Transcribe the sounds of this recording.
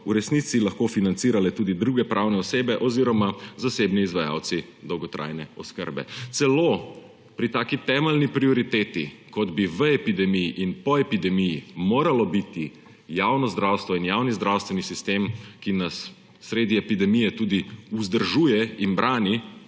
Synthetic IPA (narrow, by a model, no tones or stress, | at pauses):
uɾɛsnit̪silaxkofinant̪siːɾalɛt̪uːd̪id̪ɾuːɡɛpɾʔawnɛɔseːbɛʔɔziːɾɔmazaseːbniːzʋaja̰w̪si | d̪ɔwɡɔt̪ɾʔa̰jnɛɔskə̰ɾbɛ̰t̪sɛlo | pɾit̪aːkit̪ɛːmɛlnipɾiɔɾit̪eːt̪ikɔd̪biʋəɛpid̪ɛmijiʔinpɔɛpid̪ɛmijimoːɾalɔbit̪i | jawnɔzd̪ɾaːwst̪ʋɔinjaːwnizd̪ɾawst̪ʋɛnisist̪eːmkinasː | ɾeːd̪iɛpid̪ɛmijɛt̪uːd̪iuzd̪əɾʒuːjɛinbɾʔaːni